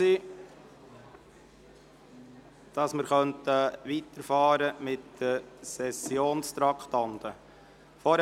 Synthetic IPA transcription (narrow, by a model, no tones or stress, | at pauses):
i | d̥ɑsməɾχœntəʋitəɾfɑːɾəmɪtd̥əsɛsjoːnst̪ɾɑkχt̪ɑnt̪ə | fɔɾ